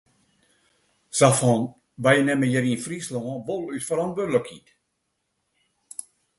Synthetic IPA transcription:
safɔn | bajənɛməjəɾinfrislɔʋolˠytfəɾɔntʋødləkʰḭt

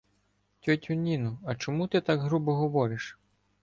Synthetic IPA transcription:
tʲɔtʲʊnʲinʊɐt͡ʃɔmut̪ɪt̪aɡɦɾubɔɦɔʋɔɾɪʃ

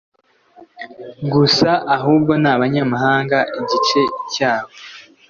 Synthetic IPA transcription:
ɡusaʔaɦuːb̚ɡo̞naβaɲamaɦaːŋɡaʔiɟit͡ʃe̞caːβo̞

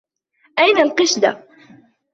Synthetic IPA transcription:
ʔæjnalqɪʃd̪a̰

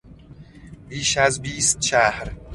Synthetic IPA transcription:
biːʃæzbiːst̪ʃæhɾ

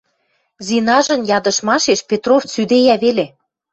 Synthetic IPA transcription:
zinɑʒə̆njɑd̪ɤ̆ʃmɑʃeʃpʲet̪roft͡syd̪ejæβele

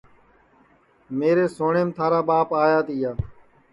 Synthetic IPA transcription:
meːɾeːsoːɳeːmt̪ʰaːɾaːɓaːpaːjaːt̪iːjaː

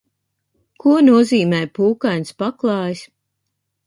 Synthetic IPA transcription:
kuɔnuɔziːmɛːjpuːkajnspaklˠɑːjs

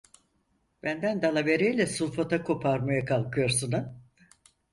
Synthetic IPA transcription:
b̥ænd̪ænd̪alˠave̞ɾejlʲɛsulˠfat̪ʰakʰo̞pʰaɾmajakʰalˠkʰɯjo̞ɾsunɯ

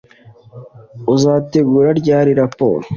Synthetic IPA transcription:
uzaːt̪eɡuɾaɾɟaːɾiɾapo̰ːɾ

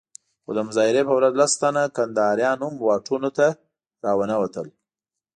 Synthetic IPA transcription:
xo̰d̪əmʊzɑɪɾepəwɾazlast̪anakand̪ɑɾjɑnumwɑʈʰunot̪a | ɾɑwənawat̪əl

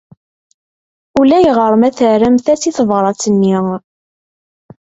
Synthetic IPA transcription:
ulæjʁəɾˤəmæθəɾæmθæsiθəvɾˤɑt͡sːənːi

